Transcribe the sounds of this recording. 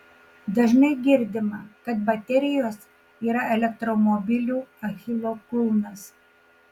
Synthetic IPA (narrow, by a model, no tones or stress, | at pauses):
d̪ɐʒʲnɐɪɡʲɪɾʲd̪ʲɪmɐkɐt̪bɐt̪ʲɛɾʲɪjoːs | iːɾɐɛlʲɛkt̪ɾɔmɔbʲɪlʲuːɐxʲɪlˠokʊlˠnɐs